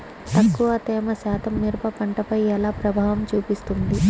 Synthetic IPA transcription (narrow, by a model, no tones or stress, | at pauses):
t̪ɐkːuʋɐt̪ɛːmɐsaːt̪ʰɐmːiɾpɐpɐɳʈɐpɐjɛlaːpɾɐbʱaːʋɐmt͡ʃuːpist̪und̪i